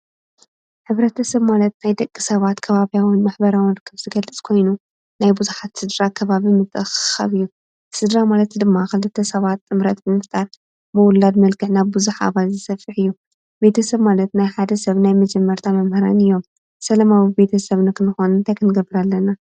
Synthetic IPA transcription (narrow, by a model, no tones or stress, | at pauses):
ħɨβɾɐt̪ʰɐsɐβmalɐt̪najd̪ɐkʼːi̥sɐβat̪kʰɐβaβjawɨnmaħbɐɾawɨnɾɨkʰːɨβzɨɡɐlɨt͡sʼkʰo̞jnu | najbuzuħat̪sɨd̪ɾakʰɐβaβimɨt̪ʼɨxxa̰βɨjːu | sɨd̪ɾamalɐt̪d̪ɨmːaxɨlɨt̪ʰɐsɐβat̪ːʼɨmɾɐt̪bɨmɨft̪ʼaɾ | bɨwʊlːad̪mɐlkɨħnaβbɨzuħa̰βalzɨsɐfɨħɨjːu | be̞t̪ʰɐsɐβmalɐt̪najħad̪ɐsɐβnajmɐd͡ʒɛmːɐɾt̪ʰamɐmhɐɾa̰nɨjːo̞m | sɐlɐmawibe̞t̪ʰɐsɐβnɨkʰɨnɨxonɨnt̪ʰajkʰɨnɨɡɐbɨɾalːɐna